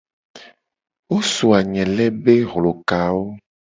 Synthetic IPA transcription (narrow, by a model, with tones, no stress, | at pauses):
wo˦so˨a˨ɲɛ̃˨lɛ˦be˦ɣlo˨ka˨wo˦